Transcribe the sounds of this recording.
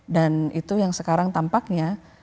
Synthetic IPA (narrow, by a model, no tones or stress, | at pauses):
danit̪ujaŋsəkaɾaŋt̪ampak̚ɲa